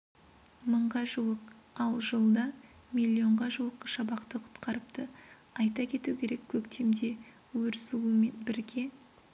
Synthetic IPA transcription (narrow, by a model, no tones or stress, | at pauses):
məɴʁɑʒuwəq | ɑlˠʒəlˠd̪ɑ | mʲilʲːio̞ɴʁɑʒuəqʃɑbɑqt̪əqʰʊ̥t̪qɑɾəp̚t̪ə | ɑjt̪ɑkʲʰe̞t̪ukʲʰe̞ɾe̞kʲʰːɵkt̪ʰe̞md̪e̞ | wɵɾsuwəme̞nbɪɾɡʲe̞